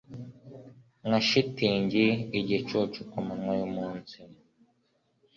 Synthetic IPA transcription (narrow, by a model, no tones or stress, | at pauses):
ŋaʃitiɲd͡ʒiiɟɛt͡ʃɔt͡ʃukamaŋwajɔmuːnsi